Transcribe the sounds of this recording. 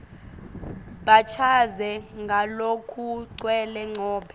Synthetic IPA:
ɓat͡ʃʰazɛŋɡʱalokʰuǀwɛlɛŋ͡ǀʱɔːɓʰɛ̥

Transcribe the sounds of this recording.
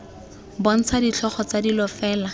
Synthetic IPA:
bɔn̩t͡sʰadit͡ɬʰɔχɔt͡sadilɔfɛːla

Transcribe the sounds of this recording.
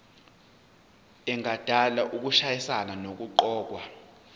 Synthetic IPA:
ɛŋʱad̥ʱalaʔuk̬uʃajisananok̬uǃɔːk̬wa

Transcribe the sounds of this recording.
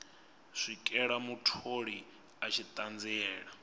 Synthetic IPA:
ʂʷikʼɛɺamutʰoɺi | at͡ʃʰit̪ʼand͡zɛɛːɺa

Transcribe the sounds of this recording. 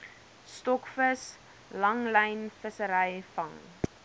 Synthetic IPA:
stɔkfəs | lɐŋləjnfəsəɾɛjfɐŋ

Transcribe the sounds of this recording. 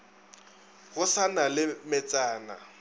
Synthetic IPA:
ɣʊsanalɪmɪt͡sʼaːna̰

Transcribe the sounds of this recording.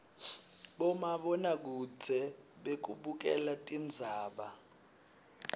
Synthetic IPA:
ɓɔmaɓɔnak̬ud͡zʰʱɛɓek̬uɓuk̬ʼɛ̰latʼind͡zʱaːɓa

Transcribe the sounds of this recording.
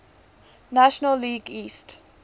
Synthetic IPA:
naʃənəlːiːɡiːst

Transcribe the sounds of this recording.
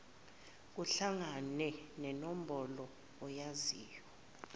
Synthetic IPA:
k̬uɬaŋanɛnɛnom̩bʱɔlɔː | jaziːjɔ

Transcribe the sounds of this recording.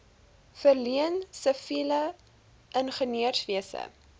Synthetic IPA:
fərliənsəfilə | ʔənχəniərsviəsə̰

